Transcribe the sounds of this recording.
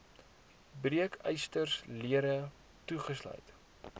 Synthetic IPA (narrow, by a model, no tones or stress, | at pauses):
briəkʰœjstərsliəɾə | tuχəslœ̰ɥt